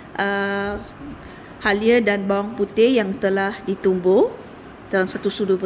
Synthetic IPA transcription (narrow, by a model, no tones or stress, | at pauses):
ʔə | haliədanbawaŋput̪ɪjaŋt̪əlahdit̪umbo | d̥alamsat̪usudubə